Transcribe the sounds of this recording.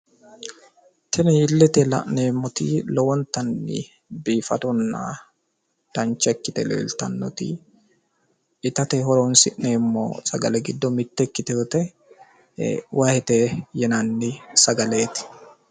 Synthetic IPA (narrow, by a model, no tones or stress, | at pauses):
t̪ʰɛnɪɪlːɛt̪ɛlɐ̰ʔneːmːɔt̪iːlɔwɔnt̪ɐnːɪ̰ | biːfɐd̪ɔnːa̰ː | d̪̥ɐnt͡ʃːɛkːɪt̪ɛ̰lḛːlt̪ɐnːɔt̪ḭː | ɪt̪ɐt̪ɛɦɔɾonsɪʔneːmːo̰ːsɐɡɐlɛɡɪd̪ːɔmɪt̪ːɛkːɪt̪ɛt̪ɛ̰ | wʔahɛt̪eːjɛnɐnːɪsɐɡɐle̞ːt̪ɪ̥